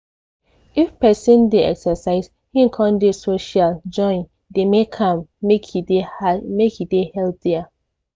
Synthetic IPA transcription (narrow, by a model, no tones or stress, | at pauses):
ifpɛsĩndeɛksəsaɪz | hĩŋ̩kʰɔ̃ndesoʃald͡ʒɔ̃ɪ̃n | demekʰãmekhidemekhidehɛlpθia